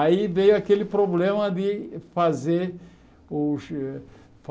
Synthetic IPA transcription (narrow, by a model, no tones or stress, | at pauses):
aivejʊakelɪpɾoblẽmɐd̪ɪfazeɾ | ʊʃ | f